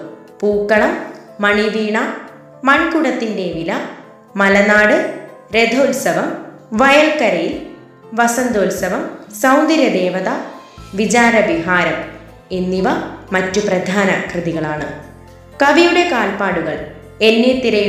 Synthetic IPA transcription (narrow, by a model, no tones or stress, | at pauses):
puːkːɐɳɐmː | ɐɳiʋiːɳɐ | mɐɳkuɽɐt̪ːinde̞ʋilɐ | mɐlɐnaːɽɨ | ɾe̞d̪ʱɐlsɐʋɐm | ʋɐjɐlkɐɾɐjil | ʋɐsɐnd̪oːlsɐʋɐmsɐwnd̪ɐɾjɐd̪eːʋɐðɐʋid͡ʑaːɾɐbiɦaːɾɐm | enːiʋɐmɐtːuprɐd̪ʱaːnɐkrɨðiɣɐɭaːɳɨ | kɐʋijuɽe̞kaːlpaːɽuɣɐɭ | e̞nːet̪ːiɾɐj